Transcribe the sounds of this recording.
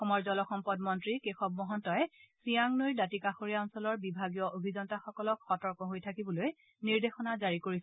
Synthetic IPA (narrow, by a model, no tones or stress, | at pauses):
ɔxɔmɔɹzɔlɔxɔmpɔdmɔntɹikexɔb̚mɔɦɔntɔɛsijaŋnojdatikaxoɹijaɔnsɔlɔɹbibʱaɡijɔʔobʱizɔntaxɔkɔlɔkxɔtɔɹkɔɦojtʰakibɔloj | niɹdexɔnazaɹikoɹis